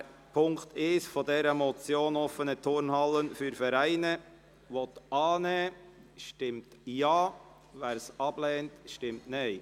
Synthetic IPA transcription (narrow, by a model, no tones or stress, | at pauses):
pʰʊŋkt̪ɪsfɔdɛɾəmɔt͡sjoːnɔfənətʰʊɾnɦɑlənfyɾfɛɾæɪnə | ʋɔt̪ɑːnɛː | ʃtɪmtjɑː | væːɾsɑb̥lɛːntʃtɪmtneɪ